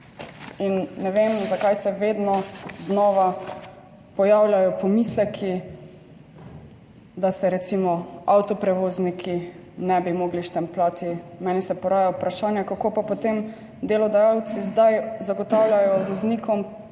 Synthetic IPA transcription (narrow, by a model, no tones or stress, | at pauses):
inːɛʋeːmzakajsɛʋeːd̪nɔznɔːʋa | pɔjaːwlʲjajɔpɔmislɛkʰi | d̪asɛɾɛt̪simɔawt̪ɔpɾɛʋoːznikʰinɛbimoɡliʃt̪ɛmplaːt̪ʰimɛːnisɛpɔɾaːjawpɾaʃaːnjakakoːpapot̪em | d̪elɔd̪ajaw̪sizd̪ajzaɡɔt̪aːwlʲjajɔʋɔznikʰɔm